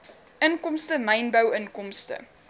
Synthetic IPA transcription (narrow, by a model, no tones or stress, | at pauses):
ʔənkɔmstəmɐjnbəwənkɔmstə̰